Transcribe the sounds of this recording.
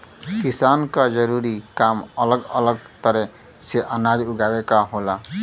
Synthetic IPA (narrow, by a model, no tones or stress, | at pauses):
kisankad͡ʒəɾuɾikamələɡə̰ləɡt̪əɾɛ | seʔənad͡ʒuɡabekaɦola